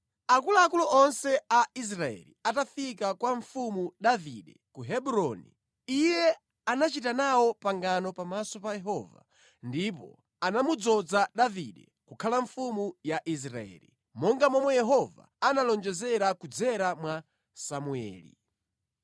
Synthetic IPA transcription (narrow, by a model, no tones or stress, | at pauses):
akulaːkulɔʔɔnsɛais̬ɾaɛ̰liatafikakwaɱfumuɗavḭɗɛkuɦɛɓuɾɔnḭ | ijɛ | anat͡ʃitanawɔpaŋɡanɔpamasɔpajɛɦɔːva̰ | ndip̬ɔ̰ | anamud͡zɔd͡zaɗaviɗɛ̰ | kukʰalaɱfumujaʔis̬ɾa̰ɛ̰ːlḭ | mɔŋɡamɔmɔjɛɦɔva̰analɔnd͡ʒɛzɛɾakud͡zɛɾamwa | samuɛ̰ːlḭ